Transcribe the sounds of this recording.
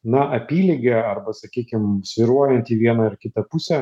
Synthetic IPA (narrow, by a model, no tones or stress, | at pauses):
nɐʔɐpʲiːlʲɪɡʲeɐrbɐsɐkʲiːkʲɪmsʲʋʲɪɾuɔjɛnʲt̪ʲiːʋʲiɛnɐɪɾkʲɪt̪ɐpusʲɛ